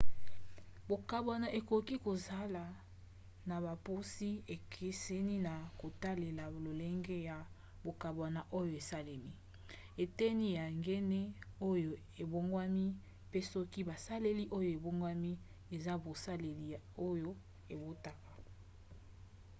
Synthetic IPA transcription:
bo˨ka˨bwa˨na˨ʔe˨ko˨ki˦ko˨za˦la˨ | na˨ba˨po˦si˦e˨kʰe˦se˦ni˦na˨ko˨ta˦le˨la˨lo˨le˦ŋɡe˦ja˨ | bo˨ka˨bwa˨na˨ʔo˦jo˨e˨sa˦le˨mi˦ | e˨tɛ˦ni˦ja˨ŋɡe˦ne˦o˦jo˨ | e˨bo˦ŋɡwa˦mi˦ | pe˦sɔ˦ki˦ba˨sa˦le˦li˦ʔo˦jo˦˨e˨bo˦ŋɡwa˦mi˦ | e˨za˦bo˨sa˦le˨li˨o˦jo˦ | e˨bo˦ta˨ka˨

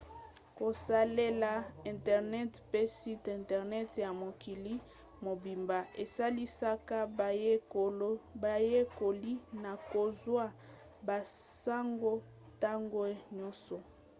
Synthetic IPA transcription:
ko˨sa˦le˦la˨ɛ̃˨ntɛ˨ʁnɛ˦tpe˦si˦tɛ̃˨ntɛ˨ʁnɛ˦tja˨mo˨ki˨li˦ | mo˨bi˨mba˨ʔe˨sa˦li˦sa˦ka˦˨je˦o˨lo˦ba˨je˦ko˨li˦na˨ko˨zwa˦ | ba˨sa˦ŋɡo˦ | ta˦ŋɡo˦ɲɔ˦sɔ˨

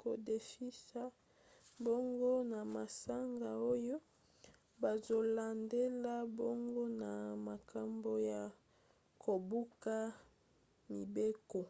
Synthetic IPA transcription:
ko˨de˨fi˦sa˦ | bo˦ŋɡo˦na˨ma˨sa˦ŋɡa˨o˦jo˦ | ba˨zo˨la˨nde˦la˦bo˦ŋɡo˦na˨ma˨ka˨mbo˦ja˨ | kʰo˨bu˦ka˦ | mi˨be˦ko˨

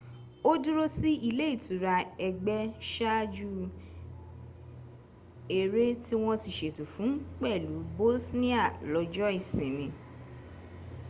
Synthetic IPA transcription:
o˦du˦ɾo˦si˦i˦˧le˦i˦˨tu˨˦ɾa˧ɛ˧ɡ͡bɛ˧ʃa˦d͡ʒu˦ | e˨ɾe˦ti˦w̃ɔ̃˦ti˧˨ʃe˨tu˨fũ˨˦k͡pɛ˦˨lu˨˦bo˦lsnĩ˦a˦˨lɔ˨˧d͡ʒɔ˦i˦˨sĩ˨mĩ˨˦

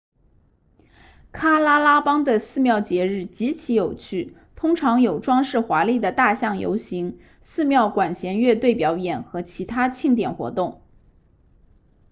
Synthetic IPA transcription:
kʰa˥la˥la˥pɑ˥ŋd̪ə˨sɹ̩˥˧mjɑ˥˩ʊt͡ɕjɛ˧˥ɻɻ̩˥˩t͡ɕi˧˥t͡ɕʰi˧˥jo˨˩ʊt͡ɕʰy˥˩ | t̪ʰʊ˥ŋʈ͡ʂʰɑ˧˥ŋjo˨˩ʊʈ͡ʂwɑ˥ŋʂɻ̩˥˩xwa˧˥li˥˩d̪ə˩t̪a˥˧ɕjɑ˥˩ŋjo̰˧˥ʊɕi˧˥ŋ | sɹ̩˥˧mjɑ˥˩ʊkwa˨˩nɕjɛ˧˥nɥɛ˥˧t̪we˥˩ɪpjɑ˧˥ʊjɛ˨˩nxɤ˧˥t͡ɕʰi˧˥t̪ʰa˥t͡ɕʰi˥˩ŋt̪jɛ˨˩nxwɔ̰˧˥t̪ʊ˥˩ŋ

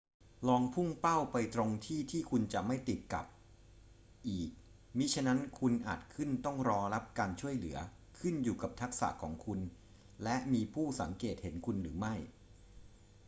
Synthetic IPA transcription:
lɔː˧ŋpʰu˥˩ŋpa˥˩wpa˧jt̪ɾo˧ŋt̪ʰiː˥˩t̪ʰiː˥˩kʰu˧nt͡ɕa˨˩ʔma˥˩jt̪i˨˩t̪̚ka̰˨˩p̚ | ʔiː˨˩k̚ | mi˦˥t͡ɕʰa˦˥na˦˥nkʰu˧nʔaː˨˩t̪̚kʰɯ˥˩nt̪ɔ˥˩ŋɾɔː˧ɾa˦˥p̚kaː˧nt͡ɕʰu˥˩əjlɯ˩˦ɐ | kʰɯ˥˩njuː˨˩ka˨˩p̚t̪ʰa˦˥k̚sa̰˨˩ʔkʰɔ̰ː˩˦ŋkʰu˧n | lɛ˦˥ʔmiː˧pʰuː˥˩sa˩˦ŋkeː˨˩t̪̚he˩˦nkʰu˧nɾɯː˩˦ma˥˩j

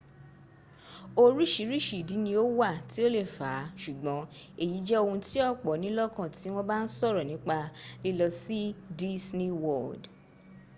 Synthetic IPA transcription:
o˧ɾi˦ʃi˨˦ɾi˦ʃi˨di˨˦nĩ˧o˦wa˦˨ti˨˦o˦le˦˨fa˨˦ʃu˨ɡ͡bɔ̃˨˦e˦˨ji˨˦d͡ʒɛ˦o˧hũ˧ti˦ɔ˦˨k͡pɔ˨˦nĩ˦lɔ˦kã˦˨ti˨˦w̃ɔ̃˦ba˦n̩˦sɔ˦˨ɾɔ˨nĩ˨˦k͡pa˧li˦lɔ˧si˦di˦sni˦wɔ˦˨d

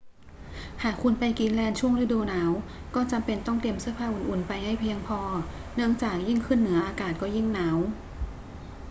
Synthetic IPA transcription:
haː˨˩kʰːu˧npa˧jki˧nlɛː˧nt͡ɕʰu˥˩əŋɾa˧˥du˧naː˩˦w | kɔː˥˩t͡ɕa˧mpe˧nt̪ɔ˥˩ŋt̪i˧əmsɯ˥˩əpʰaː˧˩ʔu˨˩nʔu˨˩npa˧jha˥˩jpʰi˧əŋpʰɔː˧nɯ˥˩əŋt͡ɕaː˨˩k̚ji˥˩ŋkʰɯ˥˩nːɯ˩˦ɐʔaː˧kaː˨˩t̪̚kɔː˥˩ji˥˩ŋnaː˩˦˥w

